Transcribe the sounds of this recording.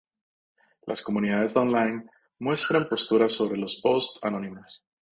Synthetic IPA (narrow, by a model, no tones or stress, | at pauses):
lʔa̰sko̞muniðaðe̞zd̪onlajn | mwe̞st̪ɾampo̞st̪uɾaso̞βɾe̞lo̞spo̞st̪ano̞nimas